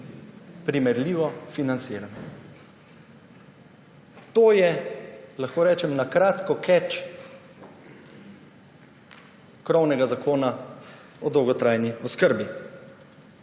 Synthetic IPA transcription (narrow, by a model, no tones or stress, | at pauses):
pɾimɛɾliːʋɔfinant̪sɪːɾanɔ | t̪oːjɛlaxkoːɾɛːt͡ʃɛmnakɾaːt̪kɔkʰɛt͡ʃ | kɾɔwnɛɡazakʰoːna | ɔd̪ɔwɡɔt̪ɾajniɔskəɾbi